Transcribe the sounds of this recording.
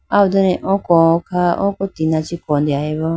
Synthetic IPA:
aud̪ənɛ̃ʔɔ̃kɔkʰaʔɔ̰̃kɔt̪inãt͡ʃikɔ̃nd̪iaiβɔ

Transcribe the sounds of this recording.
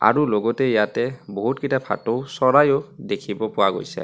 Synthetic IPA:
a̰ɹuloɡɔtɛjatɛboɦutkitapʰa̰towsɔɹajɔdekʰibɔpʊwaɡo̰jsɛ̰

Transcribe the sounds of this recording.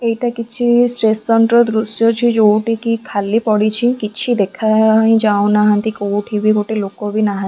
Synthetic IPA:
eiʈakit͡ʃʰisʈɾesːɔnʈɾɔd̪ɾusjɔt͡ʃʰid͡ʒoːʈikikʰalːipɔɽit͡ʃʰikit͡ʃʰid̪ekʰaɦĩd͡ʒaõnaɦãnt̪ikoʈʰibʱikoʈelokobʱinaɦã

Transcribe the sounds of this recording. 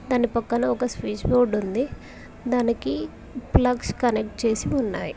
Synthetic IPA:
d̪aːnipɐkːɐnɐɔkɐspiːt͡ʃboːɖund̪i | d̪aːniki | plɐkskɐnek̚ʈ̚t͡ʃe̞ːsiunːa̰ːji

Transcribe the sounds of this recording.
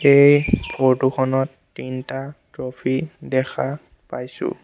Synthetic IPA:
ejbʰʱɔɹtukʰɔnɔtːintatɹɔpʰidɛkʰa | pajsʊ̰

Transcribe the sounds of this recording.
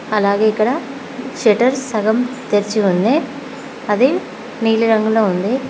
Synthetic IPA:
ɐlaːɡeːikːɐɽɐ | ʃeʈɐɾsɐɣɐmt̪eɾt͡ʃːiund̪e | ɐðe | niːliɾɐŋɡuloːund̪e

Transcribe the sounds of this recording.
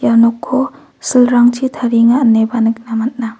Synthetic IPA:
janɔkʰːɔ | silɾaŋt͡ʃʰitʰaɾiŋanːebanɯk̚namat̚na

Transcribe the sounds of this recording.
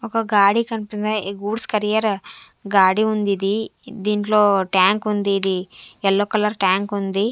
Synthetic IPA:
ɔkɐɡaːɽikɐnipind̪eɡuːɖskɐɾijɐɾ | ɡaːɽiund̪id̪id̪iːɳʈlo̞ːʈjaːŋkund̪iːd̪iɛlːoːkɐlɐɾʈjaːŋkund̪i

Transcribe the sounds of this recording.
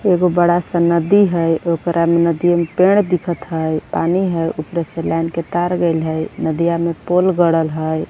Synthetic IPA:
eɡobəɽasə̃nəd̪iɦəjokɾʔamenəd̪ijamepeɽ̃d̪ikʰət̪ɦəjpa̰niɦəjʔupɾeselanket̪aɾɡelɦəjnəd̪ijamepolɡəɽəlɦəj

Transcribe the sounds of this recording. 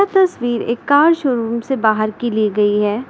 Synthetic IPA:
at̪ɐsʋiːɾḛːkːaːɾʃʊɾuːmsebaːɦəɾkiliɡɐiɦɛː

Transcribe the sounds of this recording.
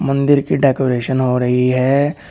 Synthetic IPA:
mɐ̃nd̪ɪɾkiɖɛːkoːɾeːʃənɦoɾɐɦiɦɛː

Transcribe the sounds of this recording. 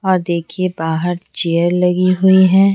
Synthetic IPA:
ɔːɾd̪eːkʰiebaːɦəɾt͡ʃeːəɾlɐɡiɦʊiɦɛ̃ː

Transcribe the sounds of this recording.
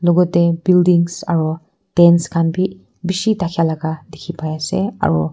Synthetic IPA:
lɔɡɔt̚debildiŋsa̰ɾɔ | d̥enskʰanbi | bisitakʰijalaɡadikʰipʰajasḛa̰ɾɔ

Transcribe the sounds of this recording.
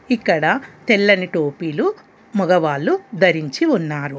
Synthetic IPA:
ikːɐɽɐt̪ɛlːɐniʈoːpiːlu | mɔɡɐʋaːlːud̪ɐɾiɲt͡ʃiunːaːɾu

